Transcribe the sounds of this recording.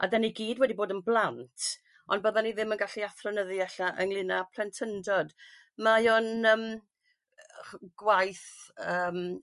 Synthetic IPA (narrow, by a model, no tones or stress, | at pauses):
a̰dɛniɡiːdwɛdiboːdənblˠantʰ | ʔɔnbəðaniðɪmənɡaɬiaθrɔnəðɨɛɬaʔəŋlˠɪnapʰlɛntʰəndɔd | majɔnəːm | ɡ̥wajθəːm